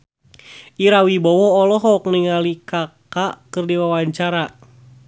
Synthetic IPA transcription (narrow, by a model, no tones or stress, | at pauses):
iɾawibɔwɔːlɔɦɔk̚niŋalikakakɨrdiwawaɲt͡ʃaɾa